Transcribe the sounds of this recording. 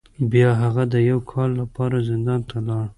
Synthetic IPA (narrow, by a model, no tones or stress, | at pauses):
bjɑɦaɣad̪əjawkʰɑlːapɑɾazɪnd̪ɑnt̪ʰalɑɽ